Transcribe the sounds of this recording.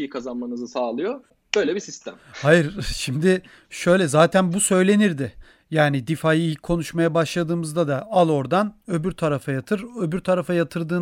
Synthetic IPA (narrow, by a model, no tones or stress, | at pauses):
jikʰazanmanɯzɯsaːlˠɯjo | bø̞jlʲɛbisist̪ʰæmhajɯɾʃimd̪ɪ | ʃø̞jlʲɛzaːt̪ʰænbusø̞jlʲe̞niɾd̪ɪ | jaːnid̪ifaːjiːjkʰo̞nuʃmajabaʃlˠad̪ɯːmɯzd̪ad̪aalˠo̞ɾd̪anø̞byɾt̪ʰaɾafajat̪ʰɯɾø̞byɾt̪ʰaɾafajat̪ʰɯɾd̪ɯː